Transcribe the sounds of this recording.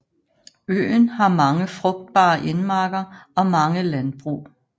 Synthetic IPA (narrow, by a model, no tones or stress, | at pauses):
ø̰ːnhɑ̈mɑ̈ŋəfʁɔɡ̥̚d̥̚b̥ɑ̰̈ːʔenmɑ̈ːɡ̥ɐɒ̽mɑ̈ŋəlænb̥ʁṵː